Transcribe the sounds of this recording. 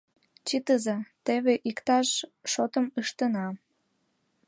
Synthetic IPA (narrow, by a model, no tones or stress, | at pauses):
t͡ɕit̪əzet̪eβeʔikt̪ɑʃʃot̪əməʃt̪ənɑ